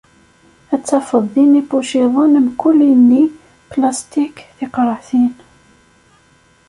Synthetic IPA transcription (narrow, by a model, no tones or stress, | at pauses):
æt͡sːæfəðˤːinipuʃiðˤənmkʊlːinːi | plast̪ikθɪqɾˤəθin